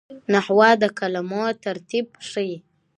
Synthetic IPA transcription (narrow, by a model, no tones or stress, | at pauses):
nahwɑd̪əkalamot̪aɾt̪ib̚ʂəji